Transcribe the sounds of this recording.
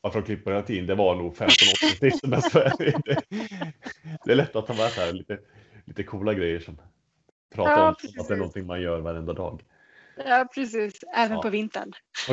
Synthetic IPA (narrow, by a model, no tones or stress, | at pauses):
aɾfəɾɔkʰlɪpːəɾheːlat̪ʰiːd̪ənd̪ɛvanuːɡfɛmt̪ɔnɔt̪ːɪɡsɪft̪ənɛsvæɾjəd̪ɛ | d̪̥ɛæɭɛt̪ʰːat̪ʰːɑːmɛːsɛhæːɾliːt̪ə | liːt̪əkʰuːlaɡɾɛjːəʂɔm | pʰɾɑːaat̪d̪ɛæɾɳɔnt̪ʰɪŋmanjœːɾvaɾɛnd̪ad̪ɑ̰ːɡ | ɑːpʰɾɛsiːsɛːvənpʰɔvɪnt̪ə̰ɳ